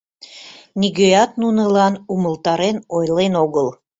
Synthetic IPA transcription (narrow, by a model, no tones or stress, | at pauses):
nʲiɣøjɑt̪nunəlɑnuməlt̪ɑɾenojlenoɣəlˠ